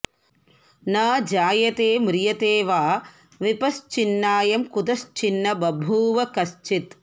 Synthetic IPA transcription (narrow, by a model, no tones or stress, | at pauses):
nɐd͡ʒaːjɐt̪eːmɾɪjɐt̪eːʋaː | ʋipɐst͡ʃinːaːjɐmkud̪ɐst͡ʃinːɐbɐbʱuːʋɐkɐst͡ʃit̪